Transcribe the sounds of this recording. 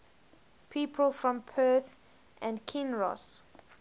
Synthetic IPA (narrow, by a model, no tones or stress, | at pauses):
pʰiːˑpʰəlˠfɹɔ̃mpʰɜˑθ | ʔæ̃nkʰɪ̃nɹɔ̰s